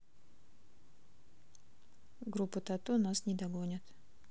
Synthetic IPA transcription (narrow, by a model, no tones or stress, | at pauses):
ɡɾupːət̪at̪unasnʲɪd̪ɐɡonʲət̪